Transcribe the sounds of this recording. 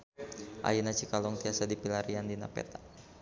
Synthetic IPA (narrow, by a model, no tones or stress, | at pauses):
ʔa̰jinat͡ʃikalɔŋt̪iasadipilaɾiandina̰pɛ̰t̪a